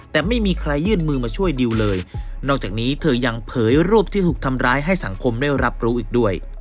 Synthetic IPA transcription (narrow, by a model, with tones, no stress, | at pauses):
t̪ɛː˨˩ma˥˩jmiː˧kʰɾa˧jːɯː˥˩nmɯː˧maː˧t͡ɕʰu˥˩əjdi˧wlɤː˧j | nɔː˥˩k̚t͡ɕaː˨˩niː˦˥t̪ʰɤː˧ja˧ŋpʰɤː˩˦jɾuː˥˩p̚t̪ʰiː˥˩t̪ʰuː˨˩k̚t̪ʰa˧mɾaː˦˥jɦa˥˩jsa˩˦ŋkʰo˧mdaː˥˩jɾa˦˥p̚ɾuː˦˥ʔiː˨˩k̚du˥˩əj